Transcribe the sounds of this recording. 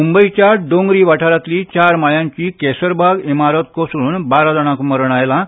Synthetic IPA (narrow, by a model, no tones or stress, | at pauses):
mumbəit͡ɕjaɖõŋɡɾiːʋaʈʰaɾat̪liːt͡ɕaɾmajãɲt͡ɕiːkɛsəɾbʱaɡimaɾət̪kosɽuːnbaɾad̪əɽ̃ãkməɾəɳ̃ajlã